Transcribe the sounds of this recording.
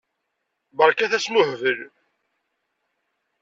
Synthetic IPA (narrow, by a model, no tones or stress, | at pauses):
bəɾkæθæsmʊħvəl